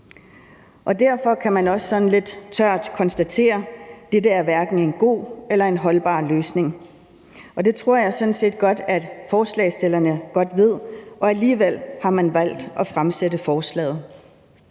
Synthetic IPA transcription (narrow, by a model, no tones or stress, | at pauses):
ʔɒ̽d̥æɐ̰fɒ̽kʰæmænɒ̽sːɒ̽n̩le̝d̥t͡sʰɶɐ̰d̥kʰɒ̽nsd̥æt͡sʰe̝̰ːɐd̥edəæɐʋæɐɡ̥n̩e̝nɡ̥o̝̰ːelɐe̝nɦɒ̽lb̥ɑ̰̈ːløːsne̝ŋ | ʔɒ̽d̥e̝t͡sʰʁo̝ɐ̰jɑ̈ɪsɔ̽nse̝̰ːd̥̚ɡ̥ɒ̽d̥æ̥fɒːslɛ̰ːsd̥e̝lɐnəɡ̥ɒ̽d̥ʋe̝ð̞̰ˠʔɒ̽æliːʋel̰hɑ̈mænʋæl̰d̥ʔɒ̽fʁamsedəfɒːslɛ̰ːð̞̩ˠ